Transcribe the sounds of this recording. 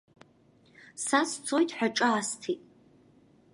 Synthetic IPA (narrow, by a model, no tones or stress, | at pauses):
sast͡sʰojtʰʼħʷᶣaʈ͡ʂʼaːstʰitʼ